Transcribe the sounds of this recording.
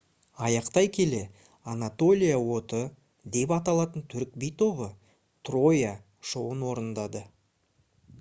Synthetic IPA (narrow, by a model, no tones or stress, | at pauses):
ɑjɑqt̪ɑjkʲʰe̞le̞ | anat̪o̞lʲijawo̞t̪ə | d̪e̞pɑt̪ɑlˠɑt̪ənt̪ʰʏɾk̚bijt̪o̞βə | t̪ro̞ja | ʃowənwo̞ɾənd̪ɑd̪ə